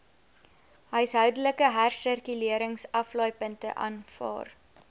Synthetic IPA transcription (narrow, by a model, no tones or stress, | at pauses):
ɦəjsɦœwdələkəɦærsərkyliəɾəŋsɐflɔjpəntə̰ʔɑ̰ːnfɑ̰ːr